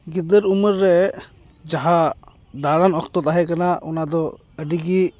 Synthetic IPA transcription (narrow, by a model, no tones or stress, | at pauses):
ɡid̪əɾuməɾːɛ | d͡ʒaɦa | d̪aɾanɔkt̪ɔt̪aɦɛkanaɔnad̪ɔ | əɖiɡi